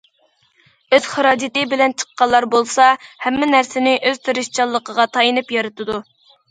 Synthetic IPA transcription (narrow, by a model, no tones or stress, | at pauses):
øz̥χɑɾɑːd͡ʒɪt̪ɪbɪlɛnt͡ʃʰə̥qːɑlˠːɑɾbolˠsɑhɛmːɪnæɾsɪnɪʔøz̥t̪ʰɨɾɨʃt͡ʃʰɑlˠːəqəʁɑt̪ʰɑjinɨpjɑɾɨt̪ʰɨd̪u